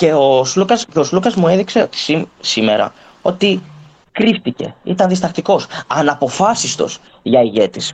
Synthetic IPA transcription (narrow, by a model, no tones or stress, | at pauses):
ce̞oslukɐsceoslukɐzmue̞ðikse̞ot̪i̥sisime̞̰ɾɐ̰ | o̞t̪i | kɾift̪ice̞̰ḭt̪ɐnðist̪ɐxt̪iko̞sɐnɐpo̞fɐsist̪o̞s | ʝɐiʝe̞t̪is